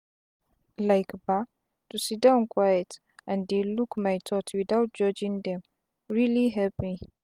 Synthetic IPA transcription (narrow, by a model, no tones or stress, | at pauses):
lajkba | tusidãʊ̃nkʰwajɛt | ʔãndelukmajtʰɔtʰwidawt̚d͡ʒɔd͡ʒĩŋd̪ɛ̃m | ɹiliɦɛpmi